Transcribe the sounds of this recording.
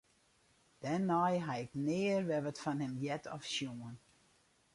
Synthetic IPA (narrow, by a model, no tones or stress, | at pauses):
d̥ɛnɔjɦaɪknɪːərʋɛʋətfanɦɪmjɛtʰɔ̰fʃjuən